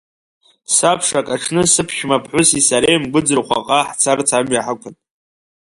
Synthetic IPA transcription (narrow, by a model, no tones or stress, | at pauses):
sapʰʂakʼaʈ͡ʂʰnɨsɨpʰʃʲmapʰħʷʊsisaɾejmɡʷʊd͡zɨrχʷa̰qʼaħt͡sʰart͡sʰamɥaħakʷʰʊn